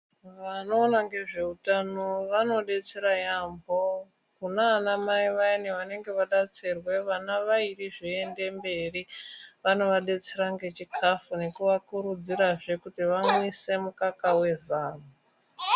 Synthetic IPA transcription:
ʋano̞ːnaŋɡe̞ʐe̞utano̞ʋano̞ɗe̞t͡seɾajambo̞ | kunaːnamaiʋaineʋane̞ŋɡe̞ʋaɗat͡sirwe̞ʋanaʋairiʐie̞nde̞mbe̞riʋano̞ʋaɗe̞t͡se̞ɾaŋɡe̞t͡ʃikʰafune̞kuʋakuɾud͡ziɾaʐe̞kutiʋamise̞mukakawe̞zaːmo

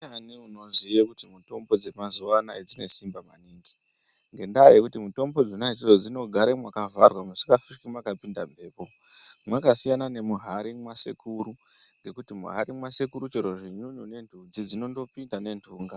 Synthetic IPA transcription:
aniuno̞zijekutimuto̞mbo̞d͡ze̞mazuwanaed͡zine̞simbamaniːŋɡi | ŋɡe̞ndajekutimuto̞mbo̞d͡zonaid͡zid͡zod͡zino̞ɡʱaɾemwakavarwamusi̥kafikimwakapindambʱe̞ːpo̞ | mwakasijanane̞muɦaɾimwasḛkuːɾu | ŋɡe̞kutimṵɦa̰ɾimwase̞kuɾut͡ʃeɾo̞ʐeɲuɲune̞ndʱud͡zid͡zino̞ndo̞pindane̞ntʰuːŋɡa

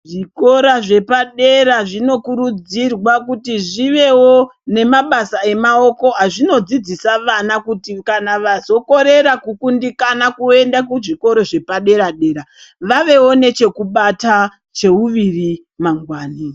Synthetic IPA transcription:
ʐiko̞ɾaʐe̞paɗe̞ɾaʐino̞kuɾud͡zirwakutiʐiʋe̞wo̞ne̞maɓasae̞mao̞ko̞ɦaʐino̞d͡zid͡zisaʋanakutikanaʋazo̞ko̞ɾe̞ɾakukundikanakue̞ndakuʐiko̞ɾoʐe̞paɗe̞ɾaɗe̞ːɾa | ʋaʋe̞wo̞ne̞t͡ʃe̞kuɓata | t͡ʃe̞uʋiri | maŋɡwaːni

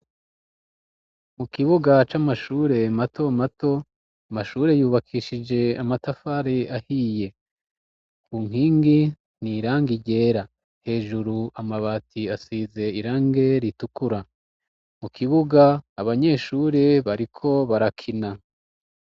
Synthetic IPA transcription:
mukiβuɡat͡ʃamaʃuːɾe̞mato̞mato̞ | amaʃuːɾe̞juːβakʰiːʃid͡ʒe̞amatafaɾeahiːje̞ | kuːŋ̥hiːŋɡi | n̥iɾaːŋɡiɟe̞ːɾa | he̞ːʒuɾuamaβatʰiasiːze̞iɾaːŋɡe̞ɾitukuɾa | mukʰiβuɡaːβaɲe̞ːʃuːɾeβaɾikʰo̞βaɾakʰina

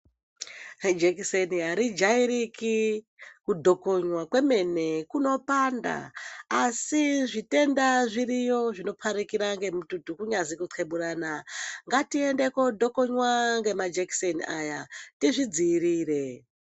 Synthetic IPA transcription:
d͡ʒekisenijaɾid͡ʒaiɾiki | kudʱo̞koɲwakwe̞me̞ne̞kuno̞panda̰ː | siʐite̞ndaʐiɾijo̞ʐino̞pʰaɾikiɾaŋɡe̞mututukuɲazikutʰweɓuɾaːnaŋɡatie̞nde̞ko̞dʱo̞ko̞ɲwaŋɡe̞mad͡ʒeki̥seniajatiʐid͡ziːriːre̞

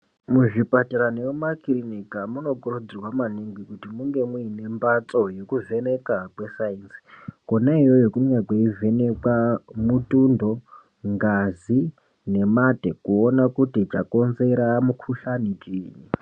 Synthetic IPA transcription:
muʐipataɾaneumakirinikamuno̞kurud͡zirwamaniŋɡikutimuŋɡe̞muine̞mbat͡sʼo̞jekuve̞ne̞kakwe̞sainsi̥konaijojokumɲakeive̞nekwamutundo̞ | ŋɡazi | ne̞matekuonakutit͡ʃako̞nze̞ɾamukʰuɬanit͡ʃʼiːji

